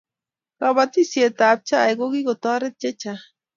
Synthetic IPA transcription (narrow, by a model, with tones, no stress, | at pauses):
kaβat̪i˦sje˨t̪a˨p̚t͡ʃa˦˨jɡo˦ɡi˦kot̪a˦ɾe˦t̪̚t͡ʃe˦t͡ʃa